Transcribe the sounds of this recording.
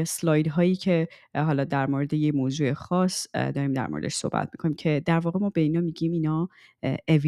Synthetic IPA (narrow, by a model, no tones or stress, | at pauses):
slɒːjd̪ɦɒːjiːcʰe̞ | ɦɒːlɒːd̪æɾmoɾe̞d̪e̞jemoːzuːe̞xɒːsd̪ɒːɾiːmd̪æ̰ɾmo̰ɾed̪eʃso̞̰hbæ̰t̪ʰmi̥kʰo̞niːmcʰe̞d̪æɾvɒːɣemɒːbe̞iːnɒːmiːɟiminɒː | evi